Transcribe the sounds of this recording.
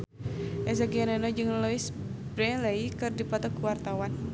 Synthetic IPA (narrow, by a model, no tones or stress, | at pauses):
ʔɛzaɡiananɔd͡ʒɨŋlɔɪsbɾɛleikɨrdipat̪ɔkuwart̪awan